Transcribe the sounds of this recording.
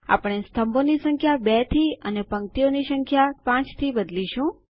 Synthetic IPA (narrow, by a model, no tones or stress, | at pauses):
a̰pəɳ̃est̪əmbonisə̃ŋkʰjabɛt̪ʰiənepəŋt̪ionisəŋkʰjapãt͡ʃt̪ʰibəd̪liʃũ